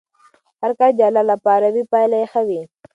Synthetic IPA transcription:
haɾkad͡ʒalalapɑːɾawipajlaexawi

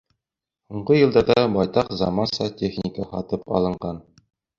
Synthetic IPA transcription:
huɴɢɤjɤ̆lˠd̪ɑɾd̪ɑbɒjt̪ɑqzɑmɑnsɑtʲʰeχnʲɪkəhɒt̪ɤpɒ̰lˠɤ̆ɴɢɑn

